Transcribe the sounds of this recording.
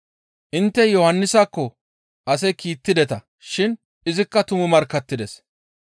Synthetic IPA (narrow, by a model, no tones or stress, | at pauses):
ʔɪnt̪ːɛjɔhɐnːɪsaːkːɔ | ʔɐs̬ɛjkiːt̪ːɪd̪ɛt̪ɐ | ʃɪn | ɪzɪkːɐt̪ʊmʊmɐɾkːɐt̪ːɪd̪ɛs